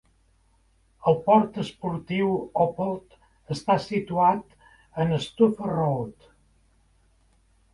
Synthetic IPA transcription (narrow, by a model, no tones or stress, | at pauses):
əlˠpɔɾt̪əspuɾt̪iwɔpolˠt̪ | əst̪asit̪uat̪ | ənəst̪ufərolt̪